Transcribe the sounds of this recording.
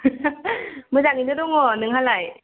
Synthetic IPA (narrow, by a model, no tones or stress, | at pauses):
mɯzaŋinɯdɔŋɔnɯŋɦalaj